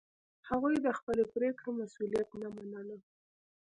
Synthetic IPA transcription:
haɣujd̪əxpəlepɾekɽemasulijat̪namanələ

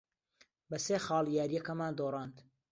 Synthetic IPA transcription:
bɐseːxɑːlˠjaːɾijɐkɐmaːnd̪oːrˤɑːnt̪

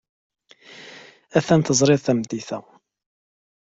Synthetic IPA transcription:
æθænθəzˤɾɪðθæmd̪iθæ

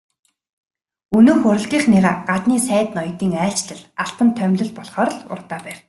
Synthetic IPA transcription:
ɵnɵːxɵɾ̆ɮɣʲiːχnɪʁaːɢat̪niːsæːt̪nɔjt̪iːŋæːɬt͡ɕɮə̆ɮaɬt̪ə̆nt̪ʰœmʲɮɵ̆ɮpɔɮχɔːɾ̆ɮʊ̰rt̪aːpæːr

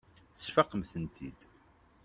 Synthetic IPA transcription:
sfɑqəmθənt̪ʰḭd̪

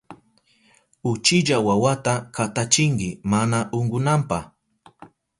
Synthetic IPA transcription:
ʊt͡ʃɪʎawawat̪akat̪at͡ʃɪŋkɪmanaʔʊŋɢʊnampah

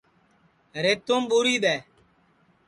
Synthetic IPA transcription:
ɾeːt̪oːmɓuːɾiːɓ̪eː

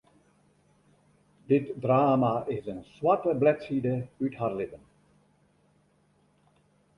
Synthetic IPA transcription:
dɪtdraːmaɪsənswatəblɛtsidəytharlɪtən

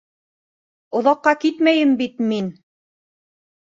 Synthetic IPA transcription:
ŏðɑqːɑkit̪mæjɘmbit̪min

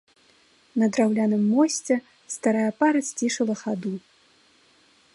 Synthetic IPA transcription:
nɐd̪ɾawlʲanɨmːɔsʲt͡sʲɛ | st̪aɾajɐpaɾɐt͡sʲt͡sʲiʂɐlˠɐxad̪u

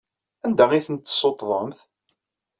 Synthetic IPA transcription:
ænd̪æʁiθənt̪ːsˤot̪ˤðˤəmθ

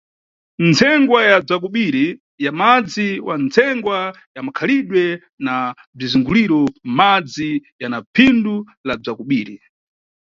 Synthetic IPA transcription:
nt͡sʰɛŋɡwajab͡ʐak̬uɓiɾi | jamad͡ziwant͡sʰɛŋɡwa | jamakʰaliɗwɛ | na | b͡ʐizuŋɡuliɾɔmad͡zijanapʰindu | lab͡ʐakuɓiːɾi

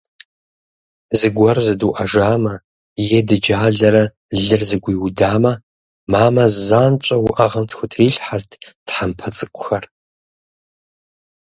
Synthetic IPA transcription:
zɨɡʷɐrzɨduʔɐʒaːmɐ | jɛdɨd͡ʒaːɮɐɾɐ | ɮɨrzɨɡʷiːwʊdaːmɐ | maːmɐzzaːnt͡ʃʷʼɐwʊʔɐʁɐmtxʷʊtʰriːɬħartʰtħampʰɐt͡sʼɨkʷʼʊxɐr

